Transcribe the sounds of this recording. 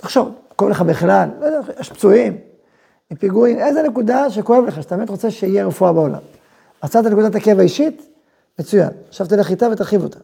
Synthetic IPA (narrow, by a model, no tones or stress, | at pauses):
t̪aχʃo̞vkoevleχabeχlallodaʃpt͡suim | mipiɡuimezene̞kud̪aʃekoevleχaʃat̪abemit̪ʁo̞t͡seʃeijeʁefuabeo̞la̰m | asat̪anekud̪at̪akevaiʃit̪ | met͡suja̰nʃavt̪oleχit̪avet̪aʁχivo̞t̪ʰḁ